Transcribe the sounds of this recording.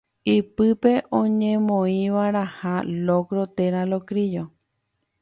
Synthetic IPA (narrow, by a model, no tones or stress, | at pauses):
ipɨpe̞ʔõɲẽmõĩʋaɾahalokɾot̪eɾalokɾid͡ʒo